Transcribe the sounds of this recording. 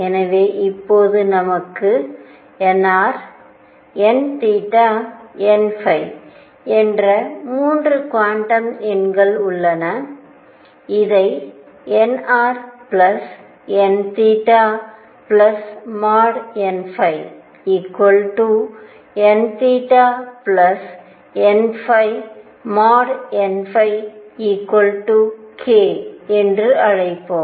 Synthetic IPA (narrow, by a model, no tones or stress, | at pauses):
ɛnɐʋeːʔɪpːoːðɯnɐmɐkːɯ | ɛnːaːɾ | ɛnt̪iːʈːaːɛnfɐɪ | ɛndrɐmuːndrɯkʋaːɳʈɐmɛnɡɐɭʊɭːɐnɐ | ɪðɐɪ | ɛnaːɾplɐs | ɛnt̪iːʈːaː | plɐsmaːɾɛnfɐɪ | iːkːwɔlʈu | ɛnt̪iːʈːaːplɐs | ɛnfɐɪ | maːɾɛnfɐɪiːkːwɔlʈukʰeːɛndrɯɐɻɐɪpːoːm